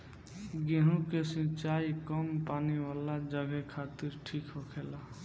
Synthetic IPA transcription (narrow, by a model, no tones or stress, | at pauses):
ɡeɦũkesĩt͡ʃajkəmpaːniwaːlad͡ʒəɡɛkʰat̪iɾʈʰiːkɦokʰela